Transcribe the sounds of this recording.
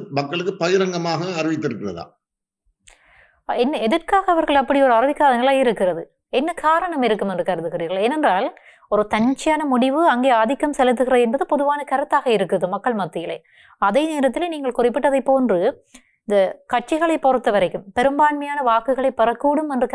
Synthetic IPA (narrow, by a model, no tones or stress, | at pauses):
mɐkːɐɭɯkːɯpɐjɪɾɐŋɡɐmaːɣɐːɾɪʋɪt̪ːɪɾɯkːɪrɐðã̰ː | ɛnːɐɛðɐrkaːɣɐɐʋɐɾɣɐɭɐpːɐɽiɔɾɯɐɾɯʋɪkːaːðɐnɪlɐjɪɾɯkːɪrɐðɯ | ɛnːɐkaːɾɐɳɐmɪɾɯkːɯmɛndrɯkɐɾɯt̪ːɯɣɪriːɾɣɐɭeːnɛndraːl | ɔɾɯt̪ɐɲt͡ʃːɪjaːnɐmʊɽɪʋɯɐŋɡeːaːðɪkːɐmsɛlɯt̪ːɯɣɪrɐðɛnbɐðɯpɔðɯʋaːnɐkɐɾɯt̪ːaːɣɐɪɾɯkːɯɐðɯmɐkːɐɭmɐt̪ːɯjɪlɐ̰ː | ɐðeːneːɾɐt̪ːɪleniːŋɡɐɭkʊrɪpːɪʈːɐðɐɪpːoːndrɯ | ɪnd̪ɐkɐʈ̚t͡ʃɪɣɐɭɐɪpɔɾɯt̪ːɐʋɐɾɐɪkːɯmpɛɾɯmbaːɳmɐjaːnɐʋaːkɯɣɐɭɐɪpːɐrɐkːuːɽɯmɛndrɯk